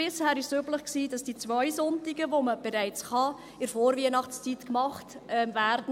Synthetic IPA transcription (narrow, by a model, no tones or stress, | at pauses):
ɪshæːɾɪʃsybləχksiːd̥ɑsd̥it͡svœʏzɔntɪɡəvoməb̥ɛɾæɪt͡sχɑ | ɪɾfoːɾviənɑχtst͡sitkmɑχtʔɛmvæːɾdn̩